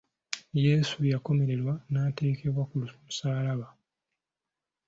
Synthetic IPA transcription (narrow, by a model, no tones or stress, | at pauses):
je̞ːsujako̞me̞ɾe̞lwanaːte̞ːke̞βwakulumusaːlaβa